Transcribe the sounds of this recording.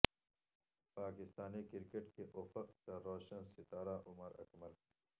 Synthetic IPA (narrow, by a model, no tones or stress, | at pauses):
paːkɪst̪aːnikɪɾkeʈkeʔofəqkaɾoːʃənsɪt̪aːɾaʔʊməɾɐ̰kmɐl